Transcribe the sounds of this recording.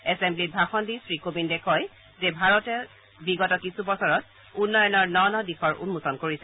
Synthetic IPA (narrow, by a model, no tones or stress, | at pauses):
ɛsemblit̚bʱaxɔndisɹikobindɛkʰɔj | zɛbʱaɹɔtɛ | biɡɔtɔkisubɔsɔɹɔt̚ | unːɔjɔnɔɹnɔnɔdixɔɹʔṵnmusɔnkoɹisɛ